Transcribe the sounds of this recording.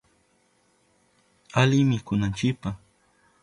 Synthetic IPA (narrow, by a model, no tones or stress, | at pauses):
alɪmɪkʊnant͡ʃɪkpa